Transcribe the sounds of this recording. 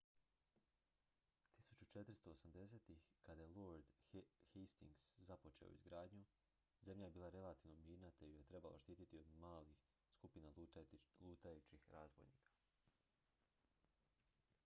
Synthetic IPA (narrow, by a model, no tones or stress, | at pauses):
t̪isut͡ɕut͡ʃet̪ɾst̪o̞osamd̪e̞seːt̪ixkad̪ajelˠoɾd̪hest̪ḭŋɡszapo̞t͡ʃḛo̰ḭzɡɾaːd̪ɲu | ze̞mʎajebiːlˠaɾe̞lˠat̪iʋnomjiːɾnat̪eijet̪ɾe̞ba̰loʃt̪iːt̪it̪iod̪maːlix | skupinalˠuːt̪ajut͡ʃixɾaːzbojnḭːkʰḁ